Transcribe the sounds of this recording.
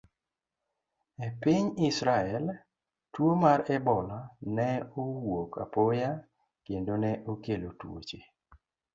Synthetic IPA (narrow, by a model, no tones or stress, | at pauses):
epɪɲɪsɾaɛl | twomaɾɛbɔlanɛowoka̰poja | kendonɛʔokelotwo̰t͡ʃe